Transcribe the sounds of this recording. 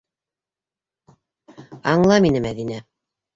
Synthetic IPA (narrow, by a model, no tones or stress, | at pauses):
ɑɴlˠɑminɘmæðinæ